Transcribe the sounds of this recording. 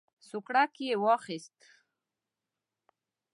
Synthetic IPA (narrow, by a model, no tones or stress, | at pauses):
sʊkɽakjewɑxɪst̪